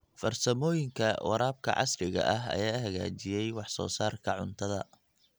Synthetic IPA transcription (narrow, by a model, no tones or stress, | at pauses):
fɐrsɐmɔːjɪŋkʰɐwʔɑ̰ɾaːb̚kʰɐ̰ʕɑ̰srɪɣɐ̰ʔɐɦɐ̰jaːɦɐɣa̰ːt͡ʃɪjɛjwɑħsɔ̰ːsaːrkʰɐʕʊnt̪ʰɐðɐ